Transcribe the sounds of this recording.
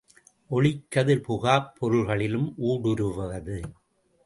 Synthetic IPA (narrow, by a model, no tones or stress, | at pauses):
ʔɔɭɪkːɐðɯɾpʊɣaːpʰːɔɾɯɭɣɐɭɪlɯmʔuːɽɯɾɯʋɐʋɐðɯ